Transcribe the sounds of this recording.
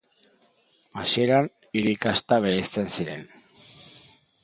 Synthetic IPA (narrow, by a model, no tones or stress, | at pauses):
asie̞ɾan | iɾikast̪aβ̞e̞ɾest͡se̞nsiɾe̞̰n